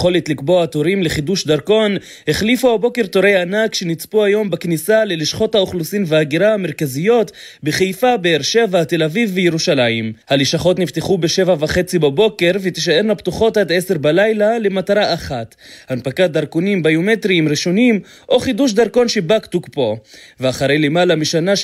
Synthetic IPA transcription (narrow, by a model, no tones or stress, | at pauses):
χo̞let̪likbo̞aat̪oʁimleχid̪uʃd̪aʁko̞n | he̞χlifuabo̞ke̞ʁt̪oʁe̞janakʃe̞nit͡spuajo̞mbaknisale̞liʃχo̞thaoχlusimveaɡiʁaame̞ʁkazijo̞t̪ | beχejfabeːʁʃe̞vahat̪e̞lavivbejeʁuʃalajimhaliʃaχo̞tnift̪eχubeʃe̞vavaχet͡sibabo̞ke̞ʁvet̪iʃ̬ae̞ʁlapt̪uχo̞tadese̞ʁbalajlalemataʁaʔːχat̪ | hanpakat̚d̪aʁkonimbajomet̪ʁiːmʁiʃonim | ʔo̞χiduʃ̬d̪aʁko̞nʃe̞bakt̪ukpo̞veaχaʁejlemalamiʃana